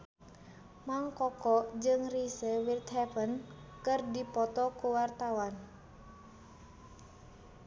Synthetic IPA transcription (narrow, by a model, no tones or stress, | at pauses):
maŋkɔkɔd͡ʒɨŋrisəwilt̪ɦɛfən | kɨrdipɔt̪ɔkuwart̪awan